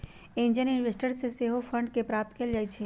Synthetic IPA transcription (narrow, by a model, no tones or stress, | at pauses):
ẽnd͡ʒənɪnʋesʈəɽseseɦofʰə̃ɳɖkepɾaːp̚t̪keld͡ʒait͡ʃʰe